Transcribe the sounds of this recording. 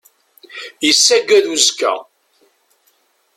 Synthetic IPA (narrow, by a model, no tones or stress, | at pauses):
jəsːæɡæðuzkæ̰